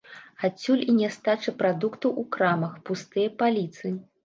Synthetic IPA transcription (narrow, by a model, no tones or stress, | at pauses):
at͡sʲːulʲinʲɛst̪at͡ʂɨpɾad̪ukt̪ɐwʔukɾamɐxpust̪ɨjɐpalʲit̪sɨ